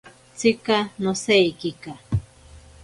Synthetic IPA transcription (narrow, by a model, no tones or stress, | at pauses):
t͡sɪkanosejkika